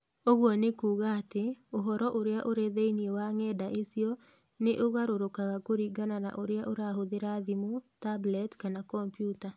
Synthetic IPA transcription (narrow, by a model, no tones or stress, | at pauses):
oɣwɔnekuːɣaːteoɦɔɾɔʔoɾeaʔoɾeðeiniewaŋɛdaʔesiɔ | neʔoɣaɾoɾokaɣakoɾiːɡanana̰ʔoɾeaʔoɾaɦoðeɾaðimotablɛtkanakɔmpjuta